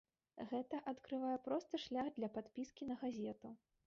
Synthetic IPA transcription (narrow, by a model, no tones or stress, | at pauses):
ɣɛt̪ɐʔat̪kɾɨvajɛpɾɔst̪ɨʂlʲaɣd̪lʲɐpat̪pʲiskʲinɐɣazʲɛt̪u